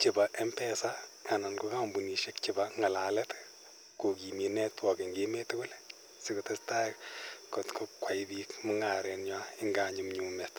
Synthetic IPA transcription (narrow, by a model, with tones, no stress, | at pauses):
t͡ʃɪ˨ba˨ʔɛ˦mpɛ˦sa˦ŋa˨na˨nko˦ɡa˦mbu˨ni˨ʃe˦kt͡ʃɪ˨ba˨ŋa˨la˨lɛ˦t | ko˨ki˨mi˨nɛ˦twɔ˨kɪ˨ŋɡe˦me˦tːɪ˦kʊ˦lɛ˨ | sɪ˦ko˨te˦sta˦kɔ˨tko˦kwa˨jbi˦kmɔ˦ŋa˨ɾɛ˨nɲa˦ɪ˦ŋɡa˦ɲu˦mɲu˨mɛ˨t